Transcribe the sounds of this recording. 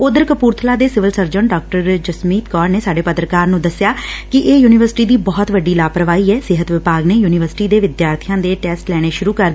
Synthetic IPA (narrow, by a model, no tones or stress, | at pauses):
ʊd̪əɾkəpuːɾt̪ʰəlaːd̪eːsɪʋəlsəɾd͡ʒəɳɖɔːk̚ʈəɾd͡ʒəsmiːt̪kɔːɾneːsaːɖeːpət̪ɾəkaːɾnũːd̪əsɪjaːkɪʔeːjuːnɪʋəɾsɪ̥ʈiːd̪iːbɔːt̪ʋəɖiːlaːpɾəʋaːiːɛːsɪɦət̪ʋɪpaːɡneːjuːnɪʋəɾsɪ̥ʈiːd̪eːʋɪd̪jaːɾt̪ʰijãːd̪eːʈɛːsʈlɛːɽ̃eːʃʊɾuːkəɾd̪ː